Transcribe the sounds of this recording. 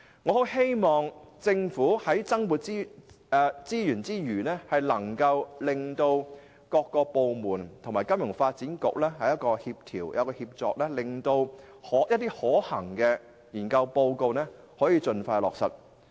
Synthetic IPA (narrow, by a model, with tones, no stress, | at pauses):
ŋɔː˨˧ho˨˥wɦe˥jmɔː˨ŋt͡sɪ˧ŋfuː˨˥hɐ˨˥jt͡sɐ˥ŋmuː˨t̚t͡si˥˧ | t͡siː˥jyː˨˩nt͡siː˥jyː˨˩nɛː˥hɐ˨jlɐ˨˩ŋkɐ˧wlɪ˨ŋt̪o˧w | kɔː˧kːɔː˧po˨˧wmuː˨˩nt̪ʰmaː˨˩jkɐ˥mjʊ˨˩ŋfaː˧t̚t͡siː˨˥nkʊ̰˨k̚lɛː˥hɐ˨jɐ˥t̚kɔː˧hiː˧p̚t̪ʰiː˨˩wjɐ˨˧wkɔː˧hiː˧p̚t͡sɔː˧k̚lɛː˥lɪ˨ŋt̪o˧w | hɔː˨˥jɐ˥t̪ːiː˥hɔː˨˥hɐ˨˩ŋkɛː˧ | jiː˨˩nkɐ˧wpo˧wko˧wnɛː˥ | hɔː˨˥jiː˨˧t͡sɵ˧nfaː˧lɔ̰ː˨k̚sɐ̰˨˩t̚